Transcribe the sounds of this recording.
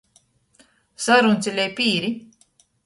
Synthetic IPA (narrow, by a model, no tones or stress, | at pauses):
saɾunt̪sʲilʲɛjpiːɾi